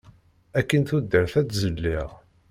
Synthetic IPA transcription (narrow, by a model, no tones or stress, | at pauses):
ækːənθud̪ːəɾθæt͡szəlːiʁ